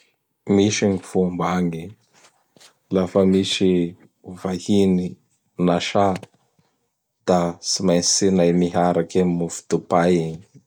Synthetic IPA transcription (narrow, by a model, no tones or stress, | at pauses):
miʃiŋifumbaŋi | lafəmiʃi | vahini | naʃa | d̪̥asimajnsinajmiɦaɾakemufu̥t̪upajiŋi